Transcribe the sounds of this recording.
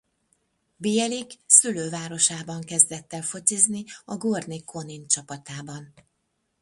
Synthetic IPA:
bijɛliksyløːvaːɾo̞ʃaːbɒŋkɛzd̪ɛt̪ːɛfo̞t̪izniɒɡord̪nikʰo̞nint͡ʃɒpɒt̪aːbɒn

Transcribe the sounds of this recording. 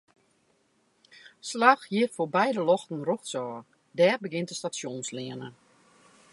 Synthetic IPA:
slaxhiəfoːbɛjdəlɔxtn̩ruxsɔː | dɛːrbəɡɪntəstasjonslɪənə

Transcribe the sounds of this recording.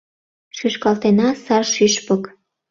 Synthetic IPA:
ʃyʃkɑlt̪enɑsɑrʃyʃpək

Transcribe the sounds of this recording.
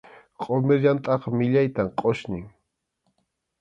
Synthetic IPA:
qʼomeɾjant̪ʼɑqɑmɪʎajt̪amqʼoʃnɪŋ

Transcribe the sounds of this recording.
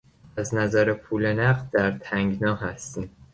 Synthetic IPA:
æznæzæɾe̞pʰuːlenæɢd̪d̪æɾt̪ʰæŋɡnɒːɦæst̪iːm

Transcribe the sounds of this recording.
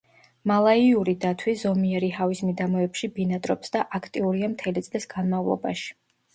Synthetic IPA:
malˠaiuɾid̪at̪ʰwizɔmiɛɾiɦavismid̪amɔɛpʃibinad̪ʼɾɔpsd̪aʔakʰt̪ʼiuɾiamt̪ʰɛlit̪sʼlisɡ̥anmavlˠɔ̰ba̰ʃi̥

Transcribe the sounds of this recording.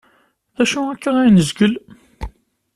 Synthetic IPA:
æʃʊækːænæjnəzɡəl

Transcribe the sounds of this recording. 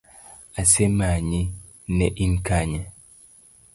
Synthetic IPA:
asemaɲi | nɛʔinkaɲa

